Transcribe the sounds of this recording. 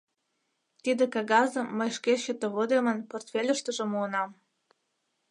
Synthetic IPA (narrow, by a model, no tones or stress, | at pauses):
t̪id̪ĕkɑɣɑzə̆mːəjʃkeɕət̪eβod̪emənport̪fʲelʲə̆ʃt̪ə̆ʒĕmuənɑm